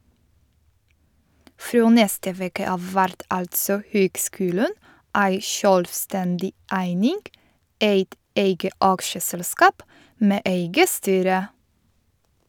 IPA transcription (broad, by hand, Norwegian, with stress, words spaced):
ˈfɾoː ˈnɛstə ˈʋeːkə ˈɑːʋ ˈʋæɾt ˈɑltsɔ ˈhøːɡˌskʉːlən ˈʔæɪ ˈʃœlʋˌstɛndɪ ˈæɪnɪŋɡ ˈʔeɪt ˈʔeɪɡə ˈʔɑkʃəsɛlˌskɑːp ˈmeː ˈʔeɪɡə ˈstyːɾə